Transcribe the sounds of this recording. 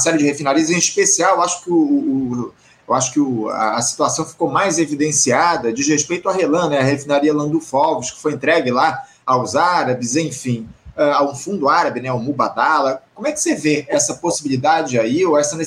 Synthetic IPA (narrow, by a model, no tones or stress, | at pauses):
ɐsɛɾɪd͡ʒɪhefĩnaɾiɐzẽiʃpesiawewaʃʊ̥kɪʊː | ewaʃʊ̥kɪʊa̰ːsi̥t̪uasɐ̃w̃fi̥komajzevid̪ẽsiad̪ɐd͡ʒɪzheʃpejt̪ʊaɦelɐ̃nɛɐhefĩnaɾiɐlɐ̃d̪ufɔwviʃkɪ̥fojẽnt̪ɾɛɡɪla | awzaɾɐbɪzẽfĩɛawũfũnd̪ʊaɾɐbɪnɛʊmubat̪alɐkõmʊɛkɪ̥seveɛsɐposibilid̪ad͡ʒɪaioɛsɐne